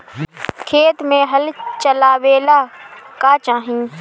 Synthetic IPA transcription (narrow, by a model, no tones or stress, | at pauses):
kʰeːt̪mẽːɦəlt͡ʃəlaːʋeːlaːkaːt͡ʃaːɦĩː